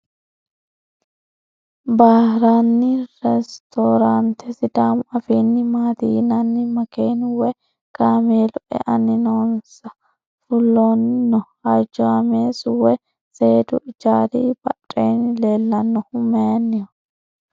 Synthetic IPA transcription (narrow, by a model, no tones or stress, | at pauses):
baːhɾanːɪɾɛst̪ʰoːɾant̪ʰɛsɪd̪aːmɐfiːnːɪmaːt̪iːnɐnːɪmɐkeːnʊwɛ | ɡ̥aːmeːlʊʔɛ̰ʔɐnɪnoːnsɐ | fʊlːonnːɔ | ɐd͡ʒɔɐmeːsʊwɛ | se̞ːd̪ʊɪd͡ʒaːɾiːbɐ̰tʼːeːnɪle̞ːlːɐnːɔhʊmɛjɐnːɪjɔ